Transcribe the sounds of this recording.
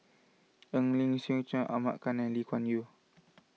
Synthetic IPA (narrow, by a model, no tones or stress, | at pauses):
əŋliŋsĩt͡ʃãʔa̰ma̰ʔkanãlikʰwanju